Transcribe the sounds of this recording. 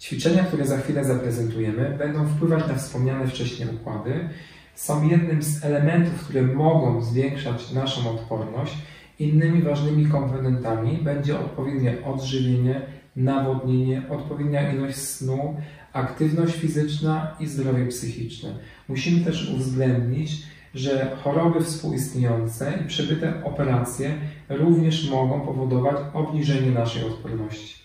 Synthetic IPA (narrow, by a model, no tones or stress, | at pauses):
t͡ɕfʲit͡ʂɛɲakt̪uɾɛzaxfʲilɛzapɾɛzɛnt̪ujɛmɘbɛnd̪ɔ̃w̃fpwɘvat͡ɕnafspɔmɲanɛft͡ʂɛɕɲɛṵkwa̰d̪ɘ | sɔ̃w̃jɛd̪nɘmzɛlɛmɛnt̪ufkt̪uɾɛmɔɡɔ̃w̃zvʲjɛŋkʂat͡ɕnaʂɔ̃w̃ɔt̪pɔɾnɔɕt͡ɕ | inːɘmʲivaʐnɘmʲikɔmpɔnɛnt̪amʲibɛɲd͡ʑɛɔ̰t̪̚pɔvjɛd̪ɲɛʔɔd̪ʐɘvʲjeɲɛ | navɔd̪ɲeɲɛʔɔt̪pɔvʲjed̪ɲaʔilɔɕsnu | akt̪ɘvnɔɕt͡ɕfʲizɘt͡ʂnaizd̪ɾɔvʲjɛpsɘxʲit͡ʂnɛ̰ | muɕimɘt̪ɛʂṵvzɡlɛnd̪ɲit͡ɕ | ʐɛxɔɾɔbɘfspuwʔist̪ɲejɔnt̪sɛipʂɛbɘt̪ɛɔpɛɾat̪sʲjɛɾuvɲɛʂmɔɡɔ̃w̃pɔvɔd̪ɔvat͡ɕɔbɲiʐɛɲɛnaʂɛjɔt̪pɔɾnɔɕt͡ɕi̥